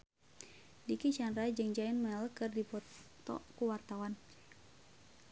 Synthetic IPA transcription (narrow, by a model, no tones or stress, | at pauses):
dikit͡ʃanɾad͡ʒɨŋd͡ʒaɪnmɛlkɨrdipɔt̪ɔ̰kuwart̪awan